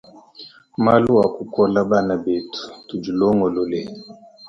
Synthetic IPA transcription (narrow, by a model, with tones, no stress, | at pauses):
ma˦lu˦wa˨ku˨kɔ˦la˦ba˦˨na˨be˨tu̥˨tu˨d͡ʒu˨lɔ˦ŋɡɔ˨lɔ˦lɛ˨